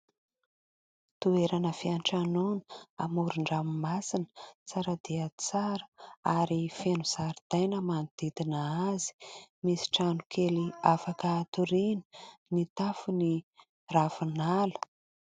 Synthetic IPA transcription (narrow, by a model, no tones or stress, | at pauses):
t̪ueɾanəfiaɳʈ͡ʂanunəa̰muɾuɳɖ͡ʐamimasinə̥t͡saɾad̪iət͡saɾə̥aɾifenuz̥aɾud̪̥ajnəmand̪̥id̪inaazi̥misi̥ʈ͡ʂanukʰeliafakəːt̪uɾinə̥nit̪afuni | ravunalu̥